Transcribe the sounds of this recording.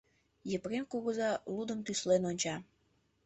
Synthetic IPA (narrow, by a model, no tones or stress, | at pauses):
jəpɾemkuɣəzɑlud̪əmt̪yslenonʲt͡ɕɑ